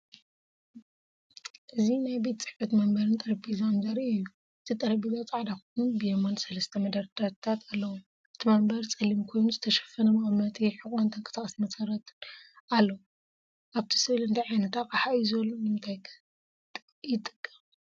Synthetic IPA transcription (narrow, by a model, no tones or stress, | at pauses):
ʔɨzinajbe̞t̪t͡sʼɨħfɐt̪mɐmbɐɾɨnt̪ʼɐɾɐbizamzɐɾiɨjːu | ɨt̪ʰit̪ʼɐɾɐbizat͡sʼaʕd̪akonubɨjemonsɐlɐst̪ʰɐmɐd̪ɐɾt̪ʰat̪t̪ʰat̪ʰalːɐwu | ʔɨt̪ʰimɐmbɐɾt͡sʼɐlimkʰo̞jnuzɨt̪ʰɐʃɐ̥fːɐnɐmamɐt̪ʼiħɨkʼont̪ʰɐŋkʼɐ̥sakʼɐsmɐsɐɾɐt̪ʰɨnʔalːɐwu | ʔaβt̪ʰi̥sɨβlɨnt̪ʰajʕajnɐt̪ʰakʼaħajizɐlːonɨmɨnt̪ʰajkʰ | t̪ʼ | jɪt̪ʼɨkʼːɐ